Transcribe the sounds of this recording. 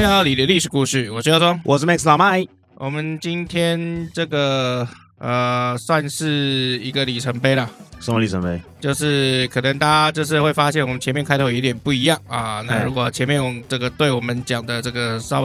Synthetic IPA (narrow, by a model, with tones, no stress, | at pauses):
ja˥˩li˨˩d̪ə˧˦li˥˩ʂɻ̩˨˩ku˥˧ʂy˥˩wɔ˨˩ʂɔ˥jʂwɔ˥wʔɔ̰˨snɛ˥kslɑ˨˩ʊma˥˧ɪ | wʔɔ˨˩mə˦nt͡ɕi˦˥nt̪ʰjɛ˥nʈ͡ʂɤ˥˩ɡə˩ | ə˨˩swa˥˧nʂɻ̩˥˩i˧˥ɡə˨˧li˨˩ʈ͡ʂʰə˧˥npe˥ɪlɐ˨ʂə˧˥ŋə˧li˨˩ə̰˧˦npe˦ɪt͡ɕjo˥˧ʊʂɻ̩˥˩kʰɤ˨˩nə˧˦ŋt̪a˥a˦t͡ɕjo˥˧ʊʂ̬ɻ̩˥˧xwe˥˩ɪfa˦˥ɕjɛ˥˩nwmə˦nt͡ɕʰjɛ˧˦mjɛ˥˨nkʰa˥ɪt̪ʰo˥˩i˧˥t̪jɛ˨˩npu˥˩i˧˥jɑ˥˨˩ŋɐ˨˩na˥˧ɻu˧˥kwɔ˨˩t͡ɕʰjɛ˧˥nmjɛ˥˩nwɔ˨˩ʈ͡ʂɤ˥˩ɡə˩t̪we˥˩ɪwɔ˨˩mə˦nt͡ɕjɑ˨˩ŋd̪ə˦ʈ͡ʂɤ˥˩ɡə˩sɑ˥ʊ